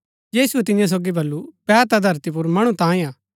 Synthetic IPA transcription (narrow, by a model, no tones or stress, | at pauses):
jiːsuɛt̪ɪjãs̬oːɡibɐlːupɛːɾt̪ad̪ʱɐɾt̪ip̬ʊɾmɐɽ̃ũt̪ãːĩaː